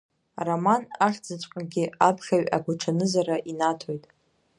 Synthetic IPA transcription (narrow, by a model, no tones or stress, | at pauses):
ramanaχʲd͡zɨt͡ʃʷʼqʼaɡʲɪapʰχʲaɥʲa̰ɡʷaʈ͡ʂʰanɨzaraʔinatʰo̞jtʼ